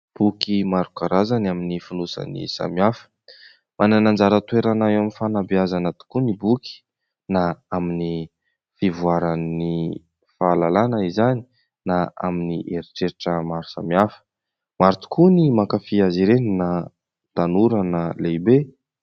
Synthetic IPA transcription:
b̥ukimaɾukaɾazanaminifunusa̰nḭsa̰miafə̥ | mʔananand͡zaɾət̪weɾanaaminfanabiazanət̪u̥kunibuki̥ | naamini | fivuaɾani | faːlalanəizani̥ | naa̰miniʔeɾiʈ͡ʂeɾiʈ͡ʂəmaɾu̥sa̰miafə̥ | maɾut̪u̥kʰunimakafiaziɾenina | d̪̥anuɾənalejbe

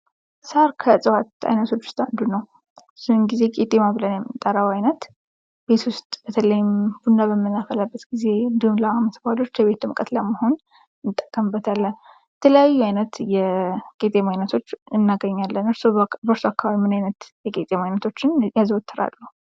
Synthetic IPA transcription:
saɾkʰəsʼəwat̪a̰jnət̪ʰo̞t͡ʃːwʊ̥st̪ʼand̪unəw | sunɨnɡize̞kʼet̪ʼemaβɨlənjɛmːɨnt̪ʼːəɾəwajnət̪ | be̞t̪wʊst̪ʼb̥ət̪ʰələjɪmb̥und̪aβəmːɨnːafəlabːət̪ɡize̞ɨnd̪ihumləaməsbalo̞t͡ʃːjɛβe̞t̪ʰumkʼət̪ləməho̞n | t̪ʼːəkʼːəmbːət̪ʰalːən | jɛt̪ʰələjajːuajnət̪jɛkʼet̪ʼemajnət̪ʰo̞t͡ʃːɨnːaɡəɲːalːənɨɾsobəɾsoakːaβaβimɨnajnət̪jɛkʼet̪ʼemajnət̪ʰo̞t͡ʃːɪnjazəwot̪ʰːɨɾa̰lːuhu

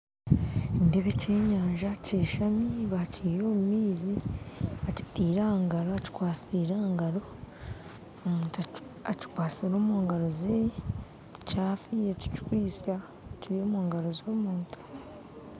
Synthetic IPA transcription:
ndeβece̞ːɲaːɲʒaceːʃamiβacijo̞ːmumiːziaci̥tiːɾaːŋɡaɾo̞aci̥kwaːsiɾaːŋɡaɾo̞ | muːntaci̥kwaːsiɾo̞ːmoːŋɡaɾoze | caːfiɾeci̥cikwiːsa | ciɾijo̞ːmoːŋɡaɾozoːmuːntu̥

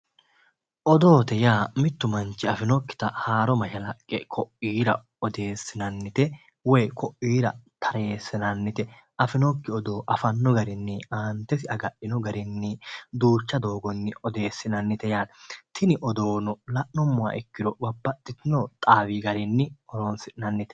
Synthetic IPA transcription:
ʔɔd̪o̞ːt̪ɛjaːmɪt̪ːʊmɐnt͡ʃːɪɐfɪnɔkːɪ̥t̪ɐhaːɾɔmɐʃɐlɐkʼːɛkʰɔʔiːɾɐ̰ | ɔd̪e̞ːsːɪnɐnːɪt̪ɛ | wɛjkʰɔʔiːɾɐ̰t̪ʰɐɾeeːsːɪnɐnːɪt̪ɛ | ʔɐfɪnɔkːɪɔd̪oːʔɐfɐnːɔɡɐɾɪnːɪaːnt̪ɛsɪɐɡɐɗɪnɔɡɐɾɪnːɪd̪uːt͡ʃːɐd̪o̞ːɡɔnːɪɔd̪e̞ːsːɪnɐnːɪt̪ɛjaːlt̪ʰɪnɪʔɔd̪oːnɔlɐʔnɔmːʊwa̰ʔɛkːɪd̪ɔbɐbːɐt̪ʼːɪt̪ɪnɔt̪ʼaːwiːɡɐɾɪnːɪɔɾonsɪᶑɪnɐnːɪt̪ɛ̥

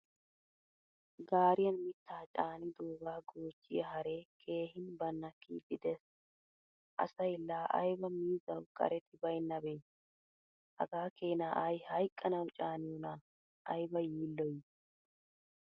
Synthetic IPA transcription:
ɡaːɾɪjɐnmɪt̪ːaːt͡ʃʼaːnɪd̪uːɡaːɡoːt͡ʃʼːɪjɐɦɐɾeːkʰe̞ːhɪnbɐnːɐkːiːd̪ɪd̪ɛs | ʔɐ̰sɐjɪlːaːʔɐ̰jbɐmiːzɐwkʼɐ̰ɾɛt̪ɪbɐjnːɐbe̞ː | ʔɐ̰ɡaːkeːnaːʔajhɐjkʼːɐnɐwt͡ʃʼaːnɪjɔna | ʔɐjbɐjiːlːɔj

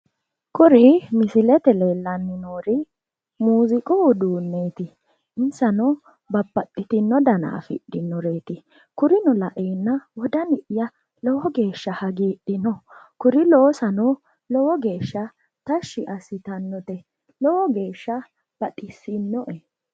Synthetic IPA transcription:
kʊɾɪmɪsɪlɛt̪ɛleːlːɐnːɪnoːɾɪ | muːzɪkʼɔʊd̪uːnːe̞ːt̪ɪ | ɪnsɐnɔ | bɐbːɐtʼːɪt̪ɪnːɔd̪ɐna̰ːfɪ̰ɗɪnːɔɾeːt̪ɪ | kʊɾɪnɔlɐʔeːnːɐwɔd̪ɐnɪʔjɐ | lɔwɔɡe̞ːʃːɐhɐɡiːɗɪnɔkʊɾɪloːsɐnɔ | lɔwɔɡe̞ːʃːɐ | t̪ɐʃːɪʔɐsɪt̪ɐnːɔt̪ɛ | lɔwɔɡe̞ːʃːɐ | b̥ɐɗɪsːɪnːɔʔɛ

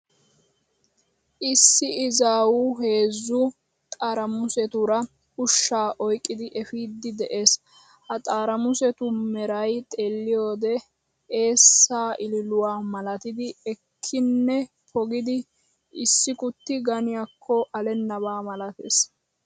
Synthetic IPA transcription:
ʔɪsːɪɪzaːwuɦe̞ːzːʊ | t̪ʼaːɾɐmʊsɛt̪ʊɾɐ | hʊʃːaːʔɔjkʼːɪd̪ɪʔɛfiːd̪ːɪd̪ɛʔe̞ːs | hɐt̪ʼaːɾɐmʊsɛt̪ʊmɛɾɐjt̪ʼelːɪjoːd̪ɛ | e̞ːsːaːʔɪlɪlʊwaːmɐlɐt̪ɪd̪ɪɛkʰːɪnːɛ | pʰɔɡɪd̪ɪ | ɪsːɪkʊt̪ːɪɡɐnɪjakʰːɔʔɐlɛnːɐβaːmɐlɐt̪ḛːs

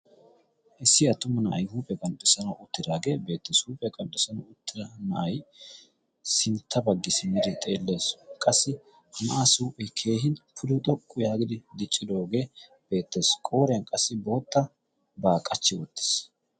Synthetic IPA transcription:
ʔɪsːɪɐt̪ːʊmɐnɐʔɐ̰jhuːpʼɛkʼɐnɗʊsɐnɐʊt̪ːɪd̪aːɡe̞ːbe̞ːt̪ːɛshuːpʼɛkʼɐntːʊsɐnɐʊt̪ʰːɪɾɐnɐʔɐj | sɪnt̪ʰːɐbɐɡːɪsɪmɪd̪ɪt̪ʼe̞ːlːe̞ːskʼɐsːɪ | hɐnɐʔasuːpʼɛkʰe̞ːɦɪnpʰʊd̪ʊt̪ʼɔkʼːʊjaːɡɪd̪ɪd̪ɪt͡ʃʼːɪd̪o̞ːɡe̞ː | b̥e̞ːt̪ːɛskʼo̞ːɾɛɐnkʼɐsːɪboːt̪ːɐ | baːkʼːɐt͡ʃːɪwɔt̪ːɪ̥s

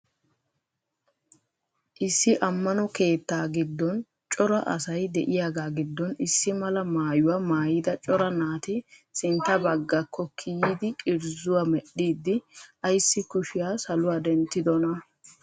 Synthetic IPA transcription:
ʔɪsːɪʔɐmːɐnɔke̞ːt̪ːaːɡɪd̪ːɔn | t͡ʃʼɔɾɐʔɐ̰sɐjd̪ɛʔɪjaːɡaːɡɪd̪ːɔnɪsːɪmɐlɐmaːjʊwaːmaːjɪd̪ɐt͡ʃʼɔɾɐnaːt̪ɪsɪnt̪ːɐbɐɡːɐkːɔkʰijiːd̪ɪkʼɪɾzʊwaːmɛɗːiːd̪ːɪʔɐjsːɪkʊʃɪjaːsɐlʊwaːd̪ɛnt̪ːɪd̪ɔnɐ

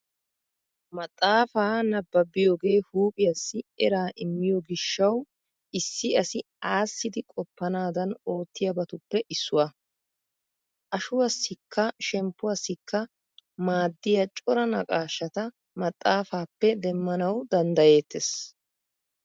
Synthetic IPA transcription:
mɐt̪ʼːaːfaːnɐbːɐbːɪjoːɡe̞ːhuːpʼɪjɐsːɪɛɾaːʔɪmːɪjɔɡɪʃːɐw | ɪsːɪɐsɪ | aːsːɪd̪ɪkʼɔpːɐnaːd̪ɐno̞ːt̪ːɪjɐbɐt̪ʊpːɛʔɪsːʊwɐ | ʔɐʃʊwɐsːɪkʰːɐʃɛmpːʊwɐsːɪkːɐ | maːd̪ːɪjɐt͡ʃʼɔɾɐnɐkʼaːʃːɐt̪ɐ | mɐt̪ʼːaːfaːpːɛd̪ɛmːɐnɐwd̪ɐnd̪ɐje̞ːt̪ːes

